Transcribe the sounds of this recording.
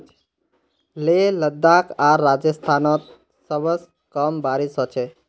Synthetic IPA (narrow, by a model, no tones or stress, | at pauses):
leləd̪ːakaɾːad͡ʒəst̪ʰanɔt̪̚ | səbəs | kɔmbaɾisɦɔt͡ʃʰe